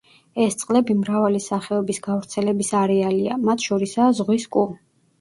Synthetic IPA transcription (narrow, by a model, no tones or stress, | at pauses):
ɛst̪sʼqʼlɛbimɾavalisaχɛɔbisɡavɾt̪sʰɛlɛbisaɾɛalia̰mat̪ʰʃɔɾisazʁwiskʼu